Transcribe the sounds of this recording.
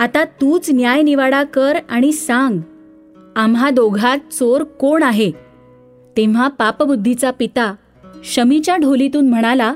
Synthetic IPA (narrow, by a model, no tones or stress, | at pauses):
at̪at̪uːt͡snjajniʋaɽakəɾaɽ̃isaŋɡ | amɦad̪oɡʱat̪̚t͡soɾkoɳaɦe | t̪ẽʋ̤apapbud̪ʱːit͡sapit̪a | ɕəmit͡ɕjaɖʱolit̪uːnm̤əɽ̃ala